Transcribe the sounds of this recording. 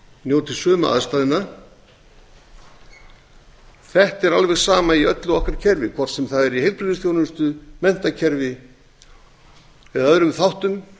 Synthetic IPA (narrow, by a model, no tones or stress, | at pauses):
njoːwt̪ɪsœːma̰ʔa̰ðst̪aːðɪnːa | θɛht̪ɛɾalvɛɣsaːmaiœt̪lʏɔhkaɾ̥cʰɛɾvɪkʰvɔr̥t̪sɛmθaðɛɾihejlpɾɪðɪsθjownʏst̪ʏmɛn̥t̪acʰɛɾvɪ | ɛðaœðɾʏmθawht̪ʏm